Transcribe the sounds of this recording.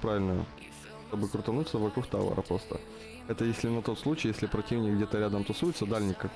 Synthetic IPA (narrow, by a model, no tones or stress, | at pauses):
pɾavʲɪlʲnəjʊ̰ | t̪obɨkɾʊt̪ɐnut̪səvɐkɾuxt̪a̰və̰ɾə̰pɾo̞st̪ə̰ | ɛt̪əjesʲlʲɪnɐt̪o̞t̪slˠut͡ɕɪjesʲlʲɪpɾɐtʲivnʲɪk̚ɡdʲet̪əɾʲad̪əmt̪ɐsujɪt̪səd̪alʲnʲɪkːak